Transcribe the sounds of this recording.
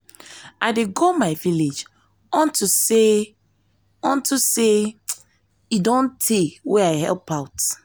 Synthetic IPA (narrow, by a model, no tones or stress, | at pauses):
aɪdeɡomaɪviled͡ʒ | ɔ̃ntuse | ɔ̃ntuse | idõntʰeweaɪɦɛ̰lpaʊt